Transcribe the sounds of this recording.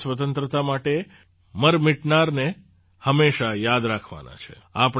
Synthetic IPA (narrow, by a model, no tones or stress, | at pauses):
sʋət̪̬ənt̪ɾət̪amaʈe | məɾmɪʈnaɾne | həmːeʃajad̪ɾakʰʋa̰na̰t͡ʃʰḛ | ap